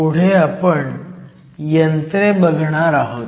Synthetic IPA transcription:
uɽ̤eapəɳ | jənt̪ɾebəɡʱɳ̃aɾaɦot̪

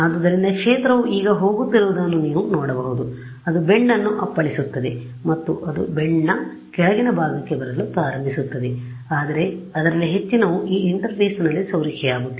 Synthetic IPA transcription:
aːd̪ud̪ɐɾind̪ɐkʂeːt̪ɾɐʋuʔiːɡɐɦo̞ːɡut̪ːiɾuʋud̪ɐnːuniːʋunɔːɽɐbɐɦud̪u | ɐd̪ubeɳːɐnːuʔɐpːɐɭisut̪ːɐd̪e̞ | mɐt̪ːuʔɐd̪ṵbeɳːɐ | kɛɭɐɡinɐbʱaːɡɐkːebɐɾɐlupɾaːɾɐmbʱisut̪ːɐd̪e | aːd̪ɐɾe̞ɐd̪ɐɾɐlːiɦe̞t͡ʃːinɐʋuʔiːiɳʈɐɾpiːsnɐlːisɐwɾikʰɛjaːɡut̪ːe

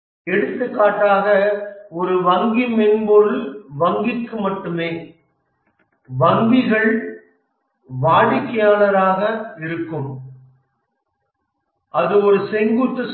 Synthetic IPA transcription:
ɛɽɯt̪ːɯkːaːʈːaːɣɐɔɾɯʋɐŋɡimɛnboɻɯʋɐŋɡɪkːɯmɐʈːɯmeː | ʋɐŋɡɪɣɐɭ | ʋaːɻɪkːɐjaːnɐɾaːɣɐɪɾɯkːɯm | ɐðɯɔɾɯsɛŋɡuʈ̪ːɯs

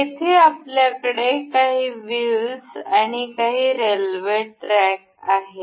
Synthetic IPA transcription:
it̪ʰeapljakəɽekaɦiːʋillsaɽ̃ikaɦiːɾelʋeʈɾɛk̚ | aɦe

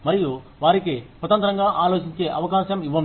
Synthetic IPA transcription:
mɐɾiju | ʋaːɾikesʋɐt̪ɐnt̪ɾɐŋɡaːʔaːlo̞ːt͡ʃiɲt͡ʃe̞ːʔɐʋɐkaːʃɐmiʋːɐm

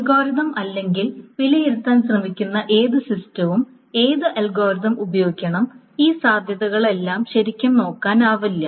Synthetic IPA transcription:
ɐɡo̞ːɾiðɐmɐlːe̞ŋɡilʋilɐjeɾut̪ːaːnsrɐmikʲːunːɐʔe̞ːðɨsistɐʋum | e̞ːðɨʔɐlɡoːɾiðɐmubɐjo̞ːɡikʲːɐɳɐm | iːsaːd̪ʱjɐðɐɣɐɭe̞lːaːmɕɐɾikʲːɐmno̞ːkːaːnaːʋɐlːɐ

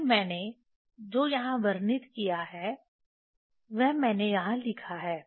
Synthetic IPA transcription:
mɛ̃ːne | d͡ʒoːjɐɦãʋɐɾnɪt̪kijaɦɛː | ʋɛɦmɛ̃ːnejɐɦãlɪkʰaɦɛː

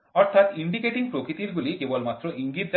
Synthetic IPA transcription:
ɔɾt̪ʰat̪iɳɖikeʈiŋpɾokɾit̪iɾɡulikebɔlmat̪ːɾoʔiŋɡit̪̚d͡ʒ

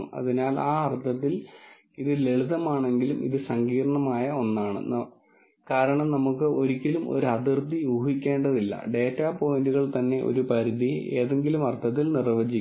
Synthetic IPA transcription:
ɐ̰ðinaːlaːɐrt̪ʰːɐt̪̬ːil | iðɨle̞ɭuðɐmaːɳe̞ŋɡilumʔḭðɨsɐŋɡiːɾɐɳɐmaːjɐo̞nːaːɳɨ̰n | kaːɾɐɳɐmnɐmukːɨʔo̞ɾikʲːilumo̞̰ɾuɐd̪irt̪ːijuːɦikʲːe̞ːɳɖɐðilːɐ̰ɖe̞ːtːaːpo̞induɣɐɭt̪ɐnːe̞ʔo̞̰ɾupɐɾiðie̞̰ːðe̞ŋɡilumɐrt̪ʰːɐt̪̬ːilnirʋɐd͡ʑikː

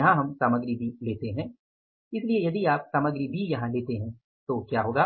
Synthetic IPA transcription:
ɐɦãɦɐmsaːməɡɾibʱileːt̪eɦɛ̃ː | ɪsliejɐd̪iaːpsaːməɡɾibʱijɐɦãleːt̪eɦɛ̃ː | t̪okjaːɦoːɡaː

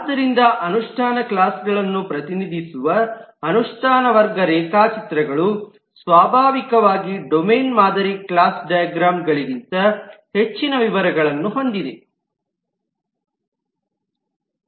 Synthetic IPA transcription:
ad̪ːɐɾind̪ɐʔɐnuʂʈʰaːnɐklaːsɡɐɭɐnːupɾɐt̪inid̪ʱisuʋɐːnuʂʈʰaːnɐʋɐɾɡɐɾɛːkaːt͡ʃit̪ɾɐɡɐɭu | sʋaːbʱaːʋikɐʋaːɡiɖomeːnmaːd̪ʱɐɾiklaːsɖɐjɐɡɾaːmɡɐɭiɾint̪ɐhe̞t͡ʃːinɐʋiʋɐɾɐɡɐɭɐnːuɦo̞nd̪id̪e

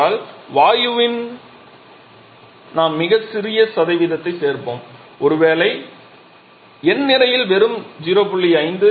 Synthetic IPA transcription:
aːlʋaːjɯʋɪn | naːmːɪɣɐsɪɾɪjɐsɐðɐɪʋɪðɐt̪ːɐɪseːɾpo̰ːm | ʔɔɾɯʋeːlɐɪ | ɛnːɪɾɐjɪlʋɛɾɯmd͡ʒiɾoːpʊɭːiɐɪnd̪ɯ

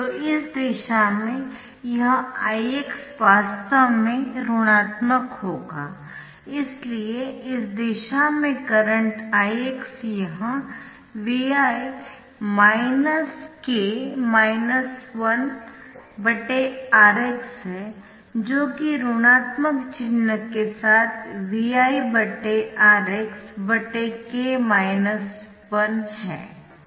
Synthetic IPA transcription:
t̪oːɪsd̪eːʃamẽ | jɐɦãaːieksʋaːst̪ʰəmẽɾʊɽ̃aːt̪məkɦoːɡaː | ɪslieɪsd̪eːʃamẽkɐɾə̃ɳʈaːieksjɐɦã | ʋiaːe | maːɪnəskemaːɪnəsʋɐn | bɐʈeaːɾeksɦɛ | d͡ʒoːkiɾʊːɽ̃aːt̪məkt͡ʃɪnːəkːesaːt̪ʰʋiaːibəʈeaːɾeksbɐʈekemaːɪnəs | ʋɐnɦɛ̰̃ː

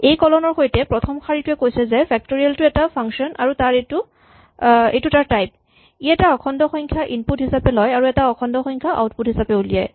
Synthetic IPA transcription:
ejkɔlɔnɔɹxojtɛpɹɔtʰɔmkʰaɹitʊɛkojsɛzɛpʰɛk̚toɹialtʊɛtapʰaŋsɔnʔaɹutaɹetu | ḛjtutaɹtajp̚ | iɛtaɔkʰɔndɔxɔjŋkʰjaʔinputɦisapɛlɔjaɹuɛtaɔkʰɔndɔxɔjŋkʰjaʔa̰wt̚putɦisapɛulija̰j

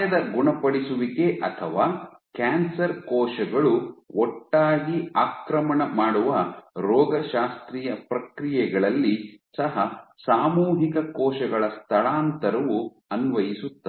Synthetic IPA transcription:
ɐd̪ɐɡuɳɐpɐɽisuʋikeʔɐt̪ʰɐʋaː | kaːnsɐɾkɔːʃɐɡɐɭuɔʈːaːɡiaːkɾɐmɐɳɐmaːɽuʋɐɾɔːɡɐʃaːst̪ɾiːjɐpɾɐkɾijɛɡɐɭɐlːisɐɦɐsaːmuːɦikɐkɔːʃɐɡɐɭɐst̪ʰɐɭaːnt̪ɐɾɐʋu | ɐnʋɐjisut̪ːɐe

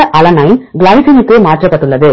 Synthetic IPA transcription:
ɐʔɐlɐnɐɪnɡlɐɪsɪnɯkːɯmaːʈrɐpːɐʈːɯɭːɐðɯ

